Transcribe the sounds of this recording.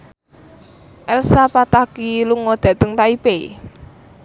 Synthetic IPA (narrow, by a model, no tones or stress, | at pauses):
ʔɛlsapat̪akiluŋɔd̪̥ä̤t̪əŋt̪aipe